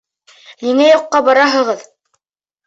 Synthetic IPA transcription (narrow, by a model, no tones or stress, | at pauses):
niŋæjoqːɑbɑɾɑɦɤ̆ʁɤð